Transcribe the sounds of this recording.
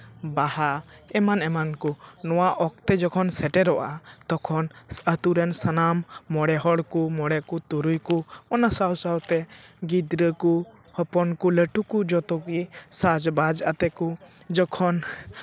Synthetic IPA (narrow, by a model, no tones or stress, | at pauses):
bahaɛmanɛmankunɔwaʔɔk̚t̪ɛd͡ʒɔkʰɔnsɛʈɛɾɔʔa̰t̪ɔkʰɔnsət̪uɾɛnsanamːɔɽɛɦɔɽkumɔɽɛkut̪uɾujkuɔnasawsawt̪ɛɡid̪ɾəku | hɔpɔnkuləʈukud͡ʒɔt̪ɔkisad͡ʒbad͡ʒat̪ɛku | d͡ʒɔkʰɔn